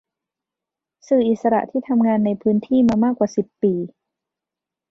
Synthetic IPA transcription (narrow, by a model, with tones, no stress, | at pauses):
sɯː˨˩ʔi˨˩t̪̚sa˧ɾa̰˨˩ʔt̪ʰiː˥˩t̪ʰa˧mŋaː˧nːa˧jpʰɯː˦˥nt̪ʰiː˥˩maː˧maː˥˩kːwaː˨˩si˨˩pːiː˧